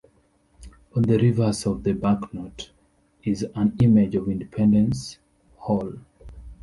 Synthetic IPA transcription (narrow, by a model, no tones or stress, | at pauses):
ɔ̃nðəɹivə˞zɔvðəbaknɔt | izə̃nimɪd͡ʒɔvĩndipʰɛ̃ndə̃ns | hɔl